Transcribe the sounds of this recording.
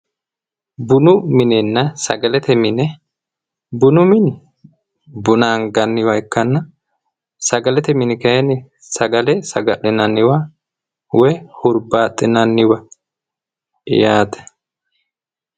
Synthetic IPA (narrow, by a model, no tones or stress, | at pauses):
bʊnʊmɪnɛnːɐsɐ̰ɡɐlɛt̪ɛmɪnɛ | bʊnʊmɪn | bʊnaːŋɡɐnːɪwɐɪkːɐnːɐ | sɐɡɐlɛt̪ɛmɪnɪkɐjɛnɪ | sɐɡɐlɛsɐɡɐɗɪnɐnːɪwa | wɔjhʊɾbaːt̪ʼːɪnɐnːɪwɐ | jaːt̪ɛ̥